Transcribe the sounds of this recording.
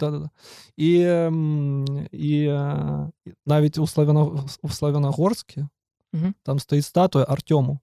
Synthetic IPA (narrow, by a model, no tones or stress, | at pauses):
d̪̥ad̪ad̪ai | i | navʲɪtʲʊslˠɐvʲɐnɐuslˠɐvʲɪnɐɣorskʲɪ | t̪amst̪ɐjit̪st̪at̪ʊjɐʔɐrtʲomʊ